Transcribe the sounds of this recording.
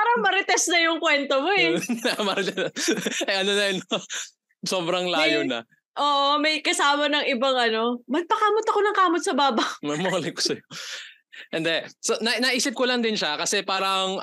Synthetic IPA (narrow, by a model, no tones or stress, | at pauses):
ppaːɾɐŋmɐɾɪt̪ɛs̚nɐjʊŋkwɛnt̪omoɛɐmɐɾɪt̪ɛsɐʔɐno̞nɐɪn | so̞ːbɾɐŋlaːjonɐ̰ | ʔoːʔomɐjkɐsaːmɐnɐŋʔɪbɐŋʔɐno̞mɐɡ̚pɐkaːmot̪ɐkonɐŋkaːmot̪sɐbaːbɐmɐɡmoɐlɪko̥sɐjo | hɪnd̪ɛsonɐnɐʔiːsɪp̚kolɐŋd̪ɪnʃakɐsɛpaːɾɐŋ